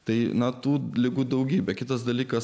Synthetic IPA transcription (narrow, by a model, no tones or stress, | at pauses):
t̪ɐɪnɐt̪uːlʲɪɡuːd̪ɐʊɡʲiːbʲɛkʲɪt̪ɐsd̪ɐlʲiːkɐs